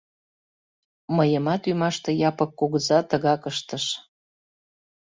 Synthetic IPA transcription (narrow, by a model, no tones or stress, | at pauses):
məjəmɑt̪ymɑʃt̪ɤ̆jɑpəkːoɣzɑt̪əɣɑkəʃt̪əʃ